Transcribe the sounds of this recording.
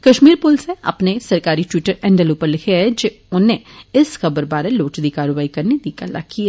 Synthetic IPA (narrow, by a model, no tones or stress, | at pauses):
kɐʃmiːɾpʊlseɐ̰pnesɐɾkaːɾiʈwiːʈəɾɛ̃ːɳɖəloːpəɾlɪkʰeɛd͡ʒe | ʊnẽɪsxɐbəɾbaːɾeloːʈd̪ikaːɾoʋaːikɐɾned̪ikəla̰kia